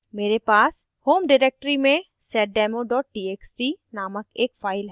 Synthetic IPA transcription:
meːɾepaːs | hoːmɖɪɾeːk̚ʈəɾimẽ | sɛːʈ̚ɖɛːmoɖɔːʈ̚ːiːeːksʈinaːməkeːkfaːɪlɦɛː

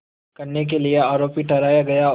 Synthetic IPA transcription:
kɐɾnek̬elieaːɾoːpiʈɐɾaːjaɡɐja

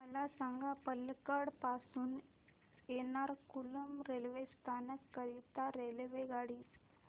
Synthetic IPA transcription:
mɐlasaŋɡʱapəlkaɽpaːsun | eːnaːɾkulɐmɾelʋest̪ʰaːnɐkːɐɾit̪aɾelʋeɡaːɽi

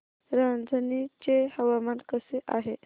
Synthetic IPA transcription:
ɾand͡zənit͡ɕehəʋamankəseʔaɦe

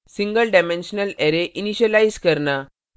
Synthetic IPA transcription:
sĩŋɡəlɖamenɕənəleɾeʔiniɕəlajzkəɾna

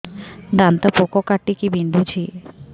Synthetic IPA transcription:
d̪ant̪apokokaʈːikibind̪ʱut͡ɕʰi

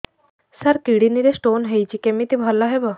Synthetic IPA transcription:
sɐɾkiɽiniɾesʈonɦejt͡ɕikemit̪ibʱɐlːaɦebə

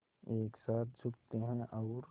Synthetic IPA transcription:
eːksaːt̪ʰd͡ʒʱʊkt̪eɦɛ̃ʔɔːɾ

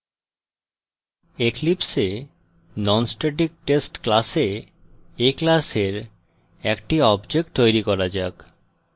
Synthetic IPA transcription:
eklipse | nɔnsʈeʈ̬ik̚ʈesʈklase | eklaseɾ | ɛkʈiɔbd͡ʑek̚ʈt̪ojɾikɔɾad͡ʑak

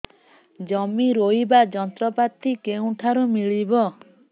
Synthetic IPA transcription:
d͡ʒɔmiɾojbad͡ʒɔnt̪ɾɔpat̪ikeũʈʰaɾumiɭibɔ

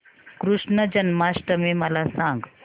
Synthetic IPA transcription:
kɾuʂɳəd͡ʑənmasʈəmeməlasãŋɡ

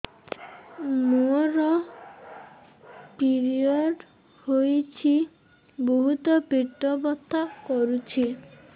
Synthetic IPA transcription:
muɔɾɔ | piɾiɔɖ | hojt͡ʃʰi | boɦut̪ɔpiʈːɔbɔt̪ʰːakɔɾut͡ʃʰi

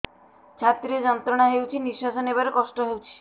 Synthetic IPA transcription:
t͡ʃʰat̪ɾiɔd͡ʒɔnt̪ɾɔɽ̃aɦewt͡ʃʰiniswasɔnebaɾokɔsʈɔɦewt͡ʃʰi̥

